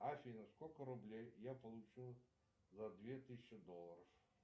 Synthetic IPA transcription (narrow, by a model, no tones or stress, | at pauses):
afʲinɐskɔlʲkəɾʊblʲejːapɐlˠut͡ʃɨlˠ | zɐd̪vʲet̪ɨsʲt͡ʃːɪd̪ɔlˠɐɾɐf